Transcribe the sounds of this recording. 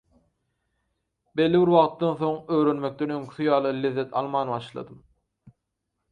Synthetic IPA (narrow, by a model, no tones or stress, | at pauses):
be̞lːiβiɾwɑʁt̪ːɑnθo̞ŋø̞ːɾø̞nme̞k̚t̪e̞nø̞ŋkʲʰy̥θyjɑːlˠɯlʲeðːe̞t̪ʰɑ̰lˠmɑːnβɑʃlˠɑ̰d̪ɯm